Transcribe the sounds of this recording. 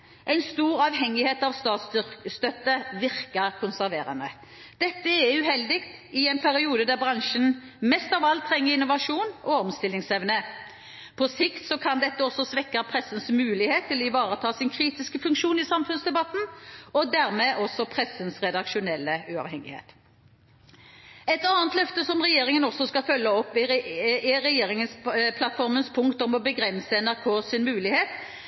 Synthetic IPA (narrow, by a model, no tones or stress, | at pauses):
ʔæɪnst̪uːɾɑʋhɛŋːɪheːt̪ɑʋst̪ɑːt̪sst̪œt̪ːəʋɪʁkəkʰʊnsæʁʋeːɾə̰nə | d̪̥ɛt̪ːəɛæʉhɛld̪ɪkt̪ɪæɪnpʰæɾɪuːd̪əd̪æʁbʁɑŋʃənmɛst̪ɑʋɑlt̪ʰɾɛŋːəʁɪnʊʋɑʂuːnɔɔmst̪ɪlːɪŋsɛʋnə | pʰɔsɪkt̪sɔkʰɑnd̪ɛt̪ːəɔsːɔsʋɛkːəpʰʁɛsːənsmʉːlɪheːt̪ʰːɪlɔɪʋɑːɾət̪ʰɑːsɪnkʰɾiːt̪ɪskəfʉŋkʃuːnɪsɑmfʉnsd̪ɛbɑt̪n̩ɔd̪æːʁmɛʔɔsɔpʰʁɛsənsʁɛd̪ɑkʂʊnɛlːəʉɑ̰ʋhɛŋɪ̰hḛːt̪ | ɛt̪ɑnət̪lœft̪əsɔmʁɛjeːɾɪŋənɔsɔskɑfœlːəɔpːɪɪɾɛjeːɾɪŋənspʰlɑt̪fɔɾmənspʰʊŋkt̪ɔmɔbəɡʁɛnsəɛnæʁkʰoːsɪnmʉːlɪheːt̪